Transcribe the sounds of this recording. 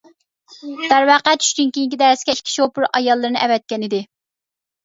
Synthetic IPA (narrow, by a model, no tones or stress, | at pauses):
d̪̥æɾwɑːqæt͡ʃʰy̥ʃkʲinkʲijiŋkʲid̪ɛɾsɪɡʲɛʃkʲʰi̥ʃopʊɾɑjɑlˠːɨɾɨnɨʔɛvɛt̪̚kʲɛnɪd̪ɪ